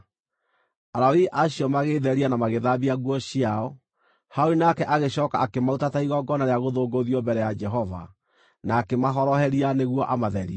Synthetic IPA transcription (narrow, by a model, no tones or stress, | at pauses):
aɾaiʔaɕiɔmaɣeːðɛɾianamaɣeðabiaɣwɔɕiaɔ | haoinakɛʔaɣeɕɔːkaakemautataiɣɔɡɔnaɾeaɣoðoːɡoðiɔbɛɾɛjad͡ʒɛɦɔva̰ | naːkemaɦɔɾɔɦɛɾianeɣwɔʔamaðɛɾḭa